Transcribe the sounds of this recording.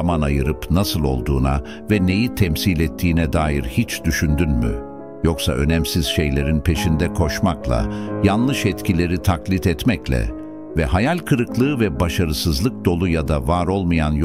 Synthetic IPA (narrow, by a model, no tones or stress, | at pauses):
manajɯɾɯpnasɯlˠo̞̰lˠd̪uːna̰ | vɛne̞jit̪ʰɛmsilʲɛt̪ʰːiːnɛd̪aːjiɾhit͡ʃd̪yʃynd̪ynmy̰ | jo̞ksa̰ʔønɛmsiz̥ʃejlʲe̞ɾinpʰe̞ʃind̪ɛkʰo̞ʃmaklˠa̰janlˠɯʃɛt̪cʰilʲe̞ɾit̪ʰaklʲit̪ɛt̪mɛclʲɛ̰ | vɛhajalʲkʰɯɾɯklˠɯːvɛbaʃaɾɯsɯzlˠɯk̚d̪o̞lˠujad̪avaɾo̞lˠmajanj